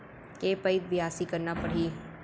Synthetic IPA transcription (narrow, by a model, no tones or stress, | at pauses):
keːpəiʋɪjaːsikɐɾnapɐɽ̤iː